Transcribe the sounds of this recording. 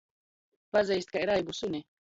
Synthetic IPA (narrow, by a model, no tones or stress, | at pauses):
pazɛjst̪kaiɾajbusunʲi